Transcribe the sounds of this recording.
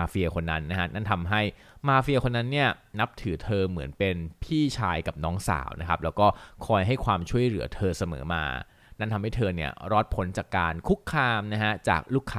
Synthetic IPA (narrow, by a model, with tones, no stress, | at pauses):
aː˧fi˧ɐkʰo˧nːa˦˥nːa˦˥kʰa˦˥na˥˩nt̪ʰa˧mɦa˥˩j | maː˧fi˧ɐ˧kʰo˧nːa˦˥nːi˥˩ɐna˦˥p̚t̪ʰɯː˩˦t̪ʰɤː˧mɯ˩˦npe˧npʰiː˥˩t͡ɕʰaː˧jka˨˩p̚nɔː˦˥ŋsa̰ː˩˦wna̰˦˥kʰa˦˥p̚lɛː˦˥wkɔː˥˩kʰɔː˧jɦa˥˩jkʰwaː˧mt͡ɕʰu˥˩əjlɯ˩˦ɐt̪ʰɤː˧sa˧mɤ̰ː˩˦ma̰ː˧ | na˥˩nt̪ʰa˧mɦa˥˩jt̪ʰɤː˧ni˥˩ɐɾɔː˦˥t̪̚pʰo˨˩˦nt͡ɕaː˨˩kːaː˧nkʰu˦˥kʰːaː˧mna˦˥kʰa˦˥t͡ɕa̰ː˨˩k̚luː˥˩kʰaː˧˥